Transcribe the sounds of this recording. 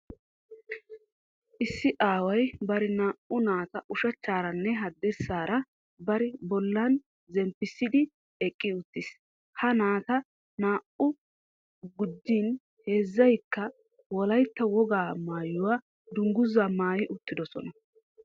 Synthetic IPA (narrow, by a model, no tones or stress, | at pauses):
ʔɪsːɪʔaːwɐjbɐɾɛnaːʔʊnaːt̪ɐʔʊʃɐt͡ʃːaːɾɐnːɛɦɐd̪ːɛɾsːaːɾɐ | bɐɾɪbɔlːɐn | zɛmpːɪsːɪd̪ɪ | ɛkʼːɪʊt̪ːɪs | hɐnaːt̪ɐ | naːʔʊ | ɡʊd̪ːiːn | he̞ːzːɐjkːɐ | wɔlɐjt̪ːɐwɔɡaːmaːjʊwaː | d̪ʊŋɡʊzːamaːjɪʔʊt̪ːɪd̪ɔsɔ̰nɐ